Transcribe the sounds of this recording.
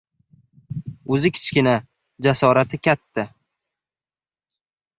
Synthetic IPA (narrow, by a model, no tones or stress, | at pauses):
ɵzɪkʲʰɪ̥t͡ʃkʲɪna | d͡ʒasɒɾat̪ʰɪkʲat̪ʰːa